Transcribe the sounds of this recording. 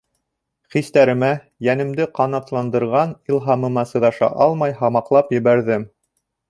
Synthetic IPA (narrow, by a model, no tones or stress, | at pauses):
χist̪æɾɘ̆mæ | jænɘ̆md̪ɘqɑnɑt̪lˠɑnd̪ɤ̆ɾʁɑnilˠɦɑmɤ̆mɑsɤ̆ðɑʃɑ̰ʔɑlˠmɑjɦɑmɑqlˠɑpjɘ̆βæɾðɘm